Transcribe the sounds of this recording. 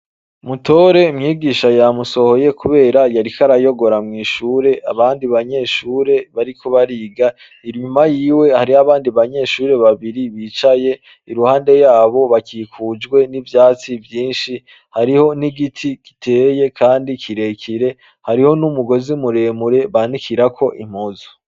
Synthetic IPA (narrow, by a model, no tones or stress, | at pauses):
mutʰo̞ɾe̞mŋiːɡiːʃajamuso̞ho̞je̞kuβe̞ːɾajaɾikaɾajo̞ɡo̞ɾamŋiːʃuːɾe̞ʔaβaːndiβaɲe̞ːʃuːɾe̞βaɾikʰo̞βaɾiːɡa | iɾɲumajiːwe̞haɾiaβaːndiβaɲe̞ʃuːɾe̞βaβiɾiβiːt͡ʃaje̞ | iɾuhaːnde̞jaːβo̞βakiːkʰuːd͡ʒɡwe̞nivjaːt͡sivjiːnʃi | haɾiho̞niɡitʰiɡ̥i̥tʰe̞ːje̞kʰaːndikʰiɾe̞kʰiɾe̞ | haɾiho̞numuɡo̞zimuɾe̞muɾe̞βanikʰiɾakʰo̞ʔim̥ozo̥